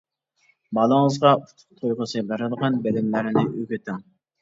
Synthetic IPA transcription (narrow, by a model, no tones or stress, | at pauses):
bɑlˠəŋəzʁɑut̪ʰʊ̥q̚t̪ʰojʁəsɨbæɾɨd̪əʁɑnbelɪmlæɾɪnɪʔøɡʲøt̪ʰɪŋ